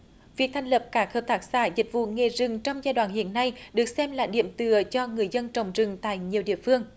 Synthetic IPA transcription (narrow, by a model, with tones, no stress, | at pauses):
vi˨˩ək̚t̪ʰɛ˨˩ŋ̟lə˨˩p̚kaː˦˥khəː˨˩p̚t̪ʰaː˦˥k̚saː˧˦zï˨˩k̟̚vṵ˧˨ŋe˨˩zɨ˨˩ŋt͡ɕɔ˧wŋ͡mzaː˧jɗwaː˧˨nhḭ˧˨ənːa˧jɗɨ˨˩ək̚sɛ˧mlaː˨˩ɗḭ˧˨əmt̪ɨ˧˩ət͡ɕɔ˧ŋɨ˨˩əjzə˧nt͡ɕə˨˩wŋ͡mzɨ˨˩ŋt̪a̰ː˧˨jɲi˨˩əwɗḭ˧˨əfɨ˧əŋ